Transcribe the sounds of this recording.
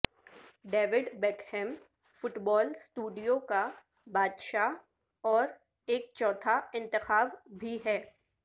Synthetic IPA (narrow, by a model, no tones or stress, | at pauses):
ɖeːʋɪɖbɛːkhɛ̃m | fʊʈbɔːlsʈuːɖijoka | baːd̪ʃa | ɔːɾ | eːk̚t͡ʃɔːt̪ʰaɪ̃nt̪ɪxaːbbʱiɦɛː